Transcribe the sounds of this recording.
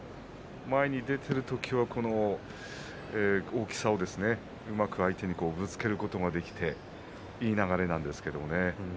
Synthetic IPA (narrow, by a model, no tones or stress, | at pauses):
maeɲ̟id̪e̞t̪ʰe̞ɾɯ̟t̪o̞kʲiβakʰo̞no̞ | eːoːkʲi̥sao̞d̪e̞sɨne̞ | ɯ̟makɯ̟ait̪e̞ɲ̟iko̞ːbɯ̟t͡sɨ̥ke̞ɾɯ̟ko̞t̪o̞ɡad̪e̞kʲi̥t̪e̞ | iːnaɣaɾe̞nãnd̪e̞sɨ̥ke̞d̪o̞̰one̞